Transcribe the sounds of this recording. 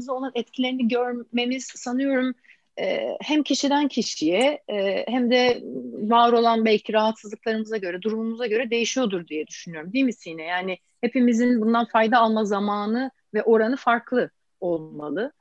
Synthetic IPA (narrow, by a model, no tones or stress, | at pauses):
izo̞lˠanɛt̪cʰilʲe̞ɾiniɟø̞ɾme̞miz̥sanɯjo̞ɾum | ɛ̰hæmcʰiʃid̪æncʰiʃijɛhæmd̪ɛvaːɾo̞lˠanbælʲcʰiɾaɦat̪sɯzlˠɯk̚lˠaɾɯmɯzaɟø̞ɾɛd̪uɾumumuzaɟø̞ɾɛd̪e̞jiʃijo̞d̪uɾd̪ijɛd̪yʃynyjo̞ɾumd̪ijmisinɛjaːnɪ | he̞pimizinbund̪anfajd̪aːlˠmazamaːnɯ | vɛʔo̞ɾanɯfaɾklˠɯ | olˠmalˠɯ